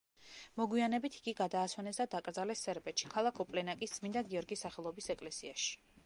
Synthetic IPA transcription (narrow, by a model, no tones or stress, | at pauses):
mɔɡwianɛbit̪ʰi̥ɡiɡad̪aːswɛnɛsd̪ad̪akʼɾd̪zalɛsːɛɾbɛt̪ʃi̥kʰalˠakʰɔpʼlɛnakʼisd̪z̥mind̪aɡiɔɾɡisaχɛlˠɔbisɛkʼlɛsiaʃi̥